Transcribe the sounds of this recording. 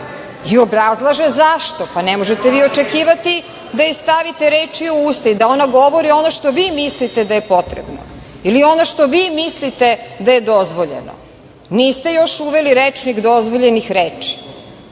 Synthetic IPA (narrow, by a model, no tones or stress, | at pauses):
iobɾazlˠaʒezaʃt̪o̞panɛmoʒet̪eʋiːo̞t͡ʃekiːʋat̪i | d̪ajust̪aʋit̪eɾeːt͡ʃiouːst̪aid̪ao̞naɡo̞ʋo̞ɾio̞noʃt̪o̞ʋiːmislit̪e̞d̪aje̞po̞t̪ɾḛbno̞̰ | ilio̞noʃt̪o̞ʋiːmislit̪e̞d̪aje̞d̪o̞zʋo̞ʎḛno̰ | niːst̪e̞jo̞ʃuʋeliɾet͡ʂnikd̪o̞zʋo̞ʎenixɾeːt͡ʂi̥